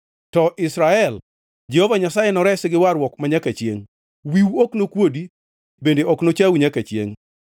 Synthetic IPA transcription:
tɔʔɪsɾaɛl | d͡ʒehovaɲasajenɔɾɛsɪɡɪwaɾwɔkmaɲakat͡ʃjḛŋ | wiwoknokwodi | bendeʔoknot͡ʃawɲakat͡ʃjḛŋ

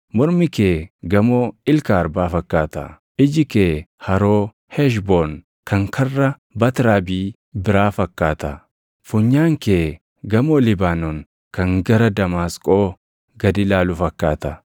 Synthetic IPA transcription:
mɔɾmɪkeːɡɐmoːɪlkaːɾbaːfɐkːaːt̪ɐ̰ | ɪd͡ʒɪkeːhɐɾoː | hɛʃ̬bon | kʰɐŋkʰɐrːɐ | bɐt̪ɾaːbiː | bɪɾaːfɐkːaːt̪ɐ | fʊɲːaːŋkeː | ɡɐmolɪbaːnɔŋ | kɐŋɡɐɾɐd̪ɐmaːskʼoː | ɡɐd̪ɪlaːlʊfɐkːaːt̪ɐ

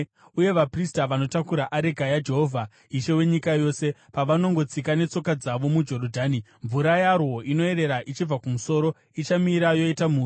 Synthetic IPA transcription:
uje̞ʋapristaʋano̞takuɾaʔaɾeɡʱajad͡ʒe̞ɦo̞vʱa | iʃe̞we̞ɲikajo̞se̞paʋano̞ŋɡo̞t͡sikane̞t͡so̞kad͡zaʋo̞mud͡ʒo̞ɾodʱaːni | ɱvuɾajarwo̞ʔino̞e̞ɾe̞ɾaʔit͡ʃib͡vakumuso̞ɾo̞ | it͡ʃamiɾajo̞itamuːri

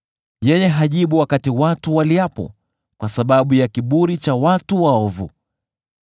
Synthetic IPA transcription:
jɛjɛɦaʄiɓuwakatiwatuwaliapɔ̰ | kwasaɓaɓujakiɓuɾit͡ʃawatuwaɔvṵ

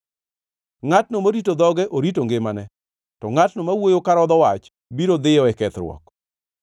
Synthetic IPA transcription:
ŋatnomoɾitod̪ɔɡɛʔoɾitoŋɡɪmanɛ | tɔŋatnomawojokaɾɔd̪ɔwat͡ʃ | biɾod̪ɪjɔɛkɛt̪ɾwɔ̰k

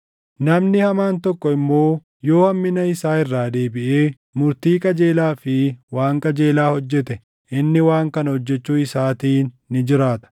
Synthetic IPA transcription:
nɐmnɪhɐmaːnt̪ɔkːɔɪmːo̞ː | jo̞ːɐmːɪnɐɪsaːɪrːaːd̪e̞ːbɪʔeː | mʊɾt̪iːkʼɐd͡ʒeːlaːfɪwaːŋkʼɐd͡ʒe̞ːlaːhɔd͡ʒːɛt̪ɛ | ʔɪnːɪwaːŋkɐnɐhɔd͡ʒːɛt͡ʃːuːɪsaːt̪iːnːɪd͡ʒɪɾaːt̪ɐ̥

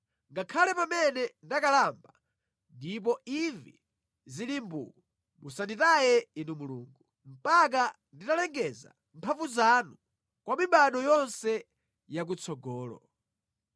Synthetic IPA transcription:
ŋɡakʰalɛpamɛnɛndakalamba | ndip̬ɔivḭ | zilimbṵku | musanditajɛinumuluːŋɡu | m̩pak̬a | nditalɛŋɡɛza̰ | mpʰavuzanu | kwamiɓaɗɔjɔnsɛ | jak̬ut͡sʰɔɡɔːlɔ̰

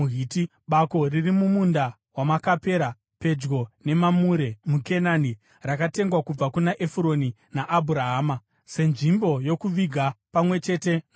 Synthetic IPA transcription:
ɦiti | ɓako̞ririmumunda | wamakape̞ɾa | pe̞d͡ʒɡo̞ne̞mamuɾe̞muke̞nani | rakate̞ŋɡwakub͡vakunaʔefuɾo̞ni | naʔːbʱuɾaɦaːma | se̞nʐimbo̞jo̞kuʋiɡʱapamwe̞t͡ʃe̞ːte̞

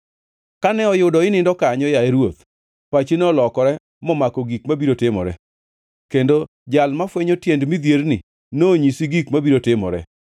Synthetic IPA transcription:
kanɛɔjʊdɔɪnɪndɔkaɲɔjaeɾwot̪ | pat͡ʃenɛɔlɔkɔɾɛ | mɔmakɔɡikmabiɾotɪmɔ̰ɾɛ̰ | kendo | d͡ʒalmafweɲotjendmid̪jernɪ | noːɲisiɡikmabiɾotɪmɔ̰ɾɛ̰

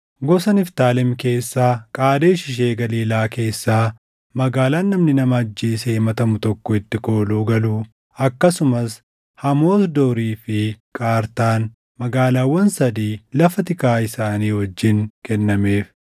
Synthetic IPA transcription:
ɡɔsɐnɪft̪aːlɛmke̞ːsːaːkʼaːd̪eːʃɪʃ̬e̞ːɡɐliːlaːke̞ːsːaː | mɐɡaːlaːnːɐmnɪnɐmɐːd͡ʒːeːsɛhɪmɐt̪ɐmʊt̪ɔkːɔɪt̪ːɪko̞ːluːɡɐluː | ɐkːɐsʊmɐs | hɐmo̞ːsd̪oːɾiːfɪkʼaːɾt̪aːn | mɐɡaːlaːwːɐnsɐd̪iːlɐfɐt̪ɪkaːɪsaːniːhɔd͡ʒːɪŋkɛnːɐme̞ːf

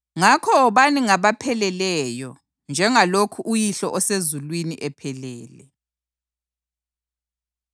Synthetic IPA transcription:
ŋakʰɔːβaniŋaβapʰɛlɛlɛjɔ | nd͡ʒʱɛŋalokʰuʔujiɬɔʔɔsezulwiniʔɛpʰɛlɛːlɛ

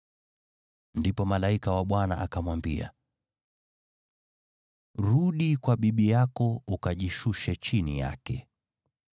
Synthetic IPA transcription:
ndipɔmalaikawaɓwana̰ʔakamwambia̰ | ɾuɗikwaɓiɓijakɔukaʄiʃuʃɛt͡ʃinḭja̰kɛ

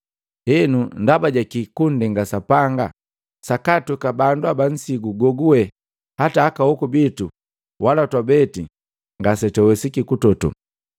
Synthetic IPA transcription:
hɛnundabaɟakikundɛŋɡasapaŋɡa | sakatukabanduaban̩siɡuɡɔɡuwɛ | hataːkahɔkubitu | walatwabɛti | ŋɡasɛtɛwɛsikikutɔtṵ

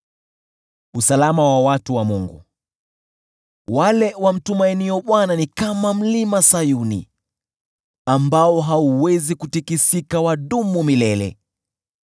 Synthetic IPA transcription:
usalamawawatuwamuŋɡṵ | walɛwam̩tumainiɔɓwananikamam̩limasajunḭ | ambaɔɦauwɛzikutikisikawaɗumumilɛlɛ̰

